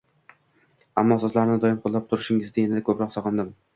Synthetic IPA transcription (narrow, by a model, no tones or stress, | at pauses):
amːɒːsɒzlaɾɪnɪd̪ɒjɪmqʰolˠːap̚t̪ʰʊɾɪʃɪŋɪzd̪aenɪd̪akʰɵpɾɒqsɒqɑnd̪ɪm